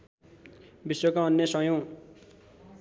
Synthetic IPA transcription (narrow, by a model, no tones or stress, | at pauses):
biswʌkaʌnːjʌsʌjo